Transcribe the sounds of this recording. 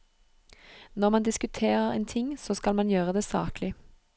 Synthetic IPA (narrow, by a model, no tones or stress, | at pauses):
nɔʁmɑnd̪ɪskʉt̪ʰeːʁəʁḛːnt̪ʰɪŋːsoːskɑlmɑnjøːʁəd̪eːsɑ̰ːklɪ